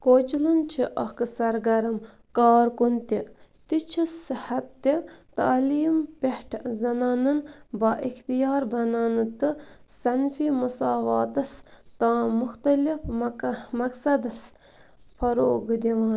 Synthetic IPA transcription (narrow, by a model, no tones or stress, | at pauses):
koːt͡ʃilɨnt͡ʃʰiʔɐkɨsɐɾɡɐɾɐm | kaːɾkunt̪it̪it͡ʃʰisihɐt̪ːit̪aːliːmpehʈʰzɐnaːnɐnbɐʔixt̪ijaːɾbɐnaːnɨt̪ɨ | sɐnfiːmɐsaːʋaːt̪ɐst̪ãːmʊxt̪ɐlifmɐksɐd̪ɐs | fʰɐɾoːɡd̪iʋaːn